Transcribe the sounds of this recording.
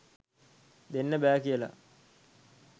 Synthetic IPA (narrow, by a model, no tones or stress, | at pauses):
d̪enːəbæːkijəla̰